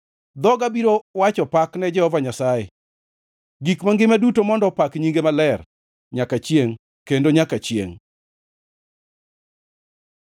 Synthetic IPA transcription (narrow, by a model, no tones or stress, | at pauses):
d̪ɔɡabiɾowat͡ʃɔpaknɛd͡ʒɛhɔvaɲasaje | ɡikmaŋɡɪmadutomɔndɔpakɲiŋɡemalɛr | ɲakat͡ʃjeŋ | kendoɲakat͡ʃjḛŋ